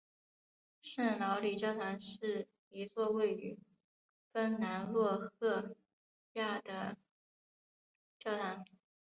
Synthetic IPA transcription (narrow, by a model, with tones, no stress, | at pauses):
ʂ̩˥˩nɑ˧˥ʊli˨˩ʈ͡ʂjɑ˥˩ʊt̪ʰa˧˥nʂɻ̩˥˩ | i˧˥t͡swɔ˥˧we˥˩ɪy̰˨˩˦ | kə˥nna˧˥nlwɔ˥˧xɤ˥˧ | ja˥˩d̪ə˩ | t͡ɕjɑ˥˩ʊt̪ʰa˧˥n